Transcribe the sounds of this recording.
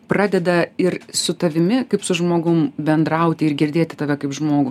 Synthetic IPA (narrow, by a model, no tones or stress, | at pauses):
prɑːd̪ʲɛd̪ɐɪrsʊt̪ɐʋʲɪmʲɪkɐɪpsʊʒmoːɡʊmbʲɛnd̪ɾɐʊt̪ʲɪɪrɡʲɪɾʲd̪ʲeːt̪ʲɪ̥t̪ɐʋʲɛkɐɪpʒmoːɡʊ